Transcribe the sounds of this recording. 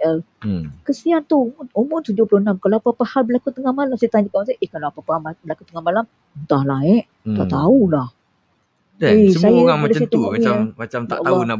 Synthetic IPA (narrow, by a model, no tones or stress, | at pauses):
ə | kəsiant̪umnumʊnt̪ud͡ʒʊpulʊhnamkalaapapahalbəlakut̪əŋahmalamsajat̪aɲd͡ʒakamansaʔehkalaapapahaabəlakut̪əŋamalam | nt̪ahlaɛʔ | t̪a̰ʔt̪aulah | esəsajaamadəsit̪uŋɔiaamat͡ʃamt̪aʔlauna